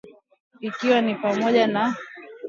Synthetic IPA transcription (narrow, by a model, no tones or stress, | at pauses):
ikiwanipamɔʄana